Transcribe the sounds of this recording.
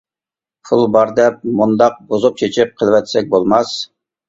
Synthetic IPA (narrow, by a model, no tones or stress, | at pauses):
pʰulˠbɑɾd̪ɛp̚mund̪ɑq̚bozup̚t͡ʃʰet͡ʃʰip̚qʰəlˠvɛt̪sɛk̚ʲbolˠmɑs